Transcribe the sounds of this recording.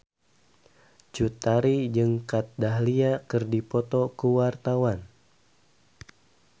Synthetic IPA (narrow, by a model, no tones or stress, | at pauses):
d͡ʒut̪aɾid͡ʒɨŋkat̪̚daɦliakɨrdipɔt̪ɔkuwart̪awan